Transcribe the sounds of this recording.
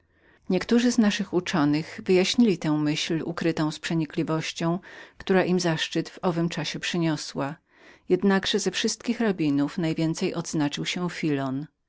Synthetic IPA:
ɲɛkt̪uʐɘznaʂɘxut͡ʂɔnɘɣvɘjaɕɲilʲit̪ɛ̃w̃mɘɕlṵkɾɘt̪ɔ̃w̃spʂɛɲiklʲivɔɕt͡ɕɔ̃w̃kt̪uɾaʔimzaʂt͡ʂɘt̪vɔvɘmt͡ʂaɕɛpʂɘɲɔswa | jɛd̪naɡʐ̥ɛzɛfʂɘst̪̚kʲixɾabʲinufnajvʲjɛnt̪sɛjʔɔd̪znat͡ʂɘwɕɛfʲilɔn

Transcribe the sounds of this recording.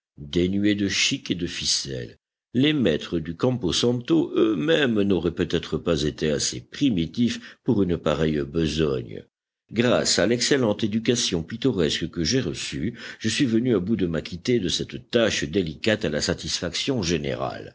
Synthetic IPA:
d̪enɥyed̪əʃiked̪əfisɛ̰lː | emɛt̪χəd̪ykɑ̃posɑ̃t̪oʔømɛmnoʁɛpøt̪ɛt̪χəpazet̪easepχimit̪ifpuʁynpaʁɛjbəzɔ̰ɲ | ɡʁa̰salɛkselɑ̃t̪ed̪ykasjɔ̃pit̪ɔʁɛskəkəʒeʁəsyʒəsɥivənyabud̪əmakʲʰit̪ed̪əsɛt̪t̪aʃd̪elikat̪alasat̪isfaksjɔ̃ʒenḛʁa̰l

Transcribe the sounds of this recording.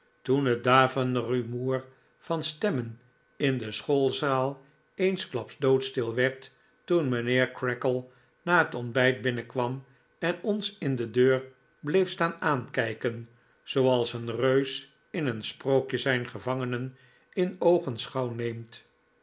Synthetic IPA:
tunədaːvənrymuːr | v̥ɑnstɛmən | ɪndəsχolˠzaːlˠ | ejnsklɑpzdowtstɪlˠʋɛɹtː | unmənɪːɹkrɛkəlˠ | naːɦətɔnbɛjd̚bɪnəkʋɑm | ɛnɔnsɪndədøːɹ | blejfstaːnaːnkɛjkən | z̥owɑlˠsənrøɥs | ɪnənsprowkjəzɛjnχəvɑŋənən | ɪnowχənsχɑwnejmt

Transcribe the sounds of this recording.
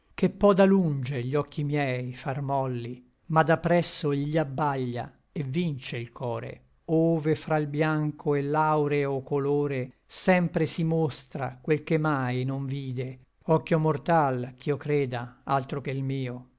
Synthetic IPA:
k̟epːɔd̪alund͡ʒeʎːɔkʰːimjɛjfarmɔlːi | mad̪apːɾɛsːoiʎːiabːaʎːa̰ | evːint͡ʃeilkʰɔːɾḛ | oːvefɾailbjaŋkʰoelːawɾeokːoloːɾe | sɛmpɾesimost̪ɾa̰kwelkemajnoɱviːd̪e | ɔkːjomort̪alk̟iokɾeːd̪aalt̪ɾok̟eilmiːo

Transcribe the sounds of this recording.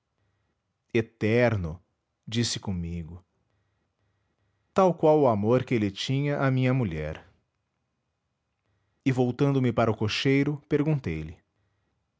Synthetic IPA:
et̪ɛɾnʊ | d͡ʒisɪ̥kõmiɡʊ | t̪awkwawʊamoɾkɪelɪt͡ʃĩɲɐʔɐmĩɲɐmuʎɛ̰ɾ | ɪvowt̪ɐ̃nd̪ʊmɪpaɾɐʊkoʃejɾʊpeɾɡũnt̪ejlɪ

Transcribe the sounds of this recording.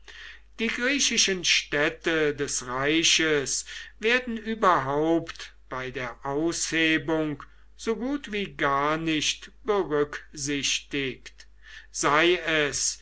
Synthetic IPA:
d̥iːɡʁiːɕɪʃənʃtɛtədɛsʁaɪɕəsveːɐdn̩yːbɐɦaʊpt | b̥aɪdeːɐʔaʊsheːbʊŋk | z̥oːɡuːtv̥iːɡaɐnɪçtb̥əʁʏkz̥ɪʃtɪkt | z̥aɪɛs

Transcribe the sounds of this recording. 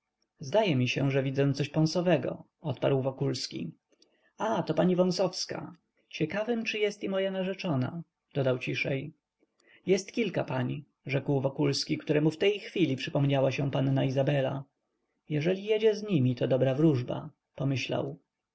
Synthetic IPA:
zd̪ajɛmʲiɕɛʐɛvʲid̪zɔsɔɕpɔ̃ñsɔvɛɡɔ̰ | ɔt̪paɾwvɔkulskʲḭ | at̪ɔpaɲivɔ̃w̃sɔfska̰ | t͡ɕɛkavɘmt͡ʂɘjɛst̪imɔjanaʐɛt͡ʂɔna̰ | d̪̥ɔd̪awt͡ɕiʂɛj | jɛst̪kʲilkapaɲi | ʐɛkwvɔkulskʲikt̪uɾɛmuft̪ɛjxfʲilʲipʂɘpɔmɲawaɕɛpanːaizabɛla | jɛʐɛlʲijɛd͡ʑɛzɲimʲit̪ɔd̪ɔbɾavɾuʐba̰ | pɔmɘɕla̰w

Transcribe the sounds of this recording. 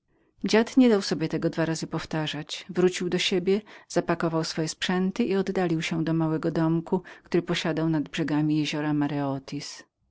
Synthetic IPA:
d͡ʑat̪ɲɛd̪awsɔbʲjɛt̪ɛɡɔd̪vaɾazɘpɔft̪aʐat͡ɕvɾut͡ɕiwd̪ɔɕebʲjɛz̥apakɔvawsfɔjɛspʂɛnt̪ɘʔiɔd̪ːalʲiwɕɛd̪ɔmawɛɡɔd̪ɔmkukt̪uɾɘpɔɕad̪awnad̪bʐɛɡamʲijɛʑɔɾamaɾɛɔt̪ʲʰis

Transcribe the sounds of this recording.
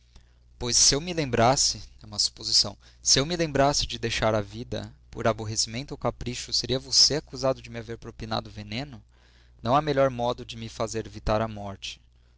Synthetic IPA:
pojsːɪewmɪlẽmbɾasɪɛũmɐsu̥pozisɐ̃w̃ | sɪewmɪlẽmbɾasɪd͡ʒɪd̪ejʃaɾavid̪ɐ̰poɾaboɦesimẽnt̪ʊowkapɾiʃʊseɾiɐvoseakuzad̪ʊd͡ʒɪmɪaveɾpɾopina̰d̪ʊvenẽnʊ | nɐ̃w̃ameʎɔɾmɔd̪ʊd͡ʒɪmɪfazeɾvit̪aɾɐmɔɾt͡ʃɪ̥

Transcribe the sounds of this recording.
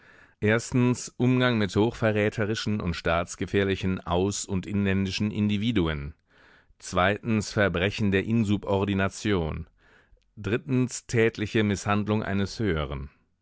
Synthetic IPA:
ʔeːɐstn̩sʔʊmɡaŋmɪthoːxfɛɐʁɛːtʰəʁɪʃn̩ʊ̰ntʃtaːt͡sɡ̥əfɛːɐlɪçn̩ʔa̰ʊsʊntʔɪnlɛndɪʃn̩ʔɪ̰ndiviːduən | t͡sv̥aɪtn̩sfɛɐbʁɛçn̩deːɐʔɪnzupɔɐdinat͡sjoːn | dʁɪtn̩stʰɛːtʰlɪçəmɪshandlʊŋʔa̰ɪnəshøːəʁ̞ən

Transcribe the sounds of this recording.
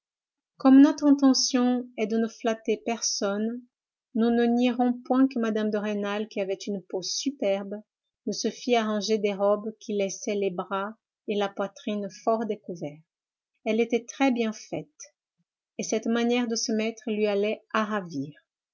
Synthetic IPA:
kɔmnɔt̪χɛ̃t̪̬ɑ̃sjɔ̃ɛd̪ənəflat̪epɛʁsɔnː | unəniʁɔ̃pwɛ̃kəmad̪amd̪əʁenalkʲiavɛt̪ynposypɛʁb | nəsəfiaʁɑ̃ʒed̪ɛʁɔbkʲʰilɛsɛlebʁa | elapwat̪χinfɔʁd̪ekuvɛʁ | ɛlet̪ɛt̪χɛbjɛ̃fɛt̪ | esɛt̪manjɛʁd̪əsəmɛt̪χəlɥialɛaʁaviːʁ

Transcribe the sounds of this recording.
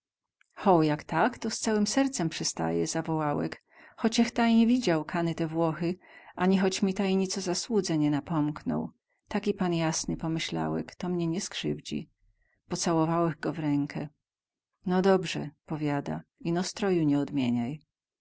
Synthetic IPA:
xɔwjakt̪akt̪ɔst̪sawɘmsɛɾt̪sɛmpʂɛst̪a̰jɛ̰zavɔwawɛ̰k | xɔt͡ɕɛxt̪ajɲevʲid͡ʑawkʰanɘt̪ɛvwɔxɘʔaɲixɔt͡ɕmʲit̪ajɲit̪sɔzaswud̪zɛɲɛnapɔmknɔ̰w | t̪akʲipanjasnɘpɔmɘɕla̰wɛ̰kt̪ɔmɲɛɲɛskʂɘ̰vd͡ʑḭ | pɔt̪sawɔvawɛɣɡɔvɾɛŋkʰɛ | nɔd̪ɔbʐɛ̰pɔvʲjad̪a̰inɔst̪ɾɔjuɲɛɔd̪mʲjeɲaj

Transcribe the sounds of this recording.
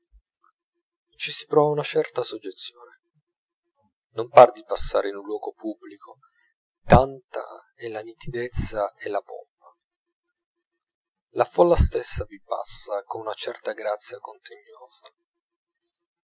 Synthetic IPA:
t͡ʃisi̥pɾɔːvaunat͡ʃɛrt̪asod͡ʒːet̪sːjoːne | nompard̪ipasːa̰ːɾeinunlwɔːɡopʰubːlikʰo | t̪ant̪a̰ɛlanit̪id̪et̪sːaɛlapɔ̰mpːa | lafɔlːast̪esːavipa̰sːakonunat͡ʃɛrt̪aɡɾat̪sːjakont̪ʰenːjoːz̥a

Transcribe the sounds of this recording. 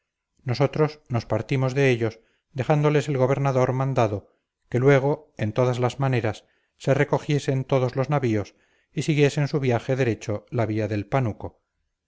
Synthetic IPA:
no̞so̞t̪ɾo̞sno̞spaɾt̪imo̞zðe̞eʎo̞s | d̪e̞xand̪ole̞se̞lɣo̞β̞e̞ɾnaðo̞ɾmãnd̪aðo̞ | ke̞lwe̞ɣ̞o̞e̞nt̪o̞ðazlazmane̞ɾasː | e̞re̞ko̞xje̞se̞nt̪o̞ðo̞zlo̞znaβio̞s | isiɣje̞se̞nsuβjaxeðe̞ɾe̞t͡ʃo̞laβiaðe̞lpanuko̞

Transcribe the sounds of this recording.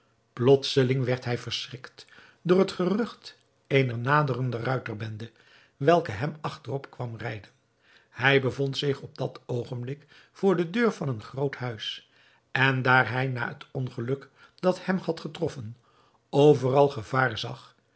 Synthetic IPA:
plɔtsəlɪŋʋɛɹtɦɛjvəɹsrɪkt | dʊːɹətχərɵχt | ejnəɹnaːdərəndərœɥtərbɛndə | ʋɛlˠkəɦɛmɑχtərɔpkʋɑmrɛjdən | hɛjbəvɔntsɪχɔb̚dɑtowχənblɪk | fʊːɹdədøːɹvɑnənχrowthœɥs | ɛndaːɹɦɛjna̰ːətɔnχəlɵk | d̥ɑthɛmhɑtχətrɔfən | owvərɑlˠχəv̥aːɹzɑχ

